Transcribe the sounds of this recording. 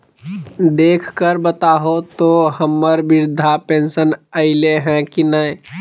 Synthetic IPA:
d̪eːkʰkəɾbət̪aːɦot̪oɦəmːəɾbɪɾd̪ʱapẽːnsənəɪleɦɛ̃kinəj

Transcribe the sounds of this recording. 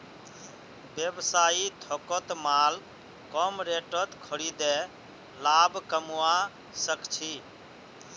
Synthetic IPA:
bjebsait̪ʰɔkət̪mal | kɔmɾeʈət̪kʰəɽid̪e | labʱkəmua | səkt͡ʃʰi

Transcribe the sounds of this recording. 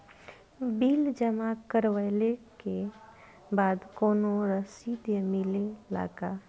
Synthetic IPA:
biːld͡ʒəmakəɾwəleke | baːd̪koːnoɾəsiːd̪jəmɪlela̰ːɡa

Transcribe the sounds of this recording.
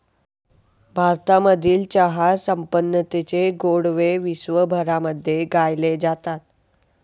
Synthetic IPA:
bʱaɾt̪aməd̪ʱiːlt͡ɕəɦajsəmpənːət̪et͡ɕeɡoɽʋeʋisʋəbʱəɾaməd̪ʱːjeɡajled͡zat̪at̪̚

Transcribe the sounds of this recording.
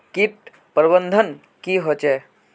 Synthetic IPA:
kiʈ̚ | pəɾbənd̪ʱən | kiɦot͡ʃe

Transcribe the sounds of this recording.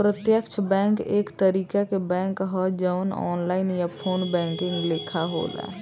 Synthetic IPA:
pɾət̪jəkt͡ʃʰbɛ̃ːŋkeːkt̪əɾiːkakebɛ̃ːŋkɦɔd͡ʒəʋnɔ̰ːnlaːɪnjapʰoːnbɛ̃ːŋkɪ̃ŋɡleːkʰaɦo̰ːla̰

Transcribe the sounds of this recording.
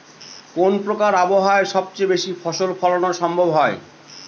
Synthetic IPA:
konpɾokaɾaboɦaeɾʃɔb̚t͡ɕejbeʃifʰɔʃolfʰɔlonaɾʃɔmbʱobɦɔe

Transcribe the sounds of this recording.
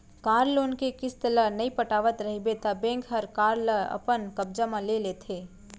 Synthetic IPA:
kaːɾloːnkekɪst̪əlanɐipɐʈaːʋət̪ɾɐɦibet̪abẽːŋkɦɐɾkaːɾləɐ̰pənkɐb̚d͡ʒamãleleːt̪ʰeː

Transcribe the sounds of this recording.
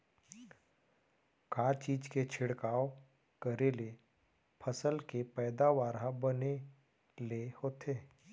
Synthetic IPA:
kaːt͡ʃiːd͡ʒket͡ʃʰɪɽkaːo | kəɾele | pʰəsəlkepɛːd̪aʋaːɾɦabəne | lehoːt̪ʰeː

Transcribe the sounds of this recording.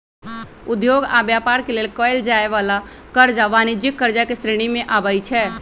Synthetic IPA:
ud̪joɡa̰bjapaɾkelelkəld͡ʒaeʋala | kəɾd͡ʒaʋanid͡ʒikːəɾd͡ʒakesɾeɽ̃imeʔabəjt͡ʃʰɛ

